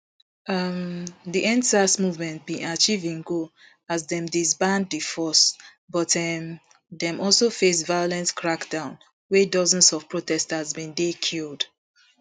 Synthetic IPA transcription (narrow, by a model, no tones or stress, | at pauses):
ʌmdiʔɛ̃nsasmuvmɛ̃nt̚bĩʔat͡ʃivĩŋɡo | azdɛ̃mdisbãnddifɔs | bɔtɛm | dɛ̃mʔɔlsofesvajolɛ̃ntkʰɹakdãʊ̃n | wɛdɔzə̃nsɔv̥pɹotɛstazbĩndekʰild